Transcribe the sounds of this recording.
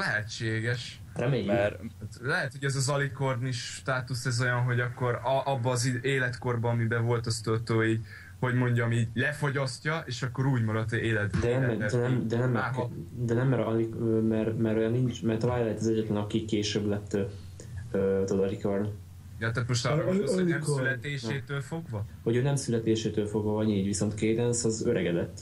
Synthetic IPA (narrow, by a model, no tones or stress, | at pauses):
lɛɦɛt͡ʃːeːɡɛʃ | rɛmeːjɛrt̪lɛɦɛt̪hoɟɛzɒzɒliko̞rniʃt̪aːt̪usɛzo̞jɒnɦo̞ɟɒkːo̞ɾʔɒbːɒːzieːlɛt̪ko̞rbɒːmibɛvo̞lt̪ɒst̪øt̪oːiːɟ | ho̞ɟmo̞ɲɟɒmiːɟlɛfo̞ɟɒscɒeːʃɒkːo̞ɾuːɟmɒɾɒt̪ːeːlɛd̪d̪ɛnɛɛd̪ɛnɛmd̪ɛnɛmːɛd̪ɛnɛmːɛɾɒlikømɛrmɛɾojɒnːint͡ʃmɛrt̪ɒvaːjlɛhɛt̪ɒzɛɟːɛt̪lɛnɒkikeːʃøblɛt̪ː | øːt̪od̪ɒɾikørn | jɒt̪aːt̪moʃt̪ːiɛmkolɛt̪eːʃeːt̪øːlfo̞ɡvɒho̞ɟøːnɛmsylɛt̪eːʃeːt̪øːlfo̞ɡʋɒɒɲiːɟviso̞nt̪kejd̪ɛnsɒzøɾʔɛɡɛd̪ɛt̪ː